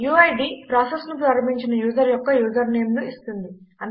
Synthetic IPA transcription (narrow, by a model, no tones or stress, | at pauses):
juːɐjɖiːpɾaːsesnup̬ɾɐɾɐmiɲt͡ʃinɐjuːzɐɾjɔkːɐjuːzɐɾneːmnuist̪und̪iɐn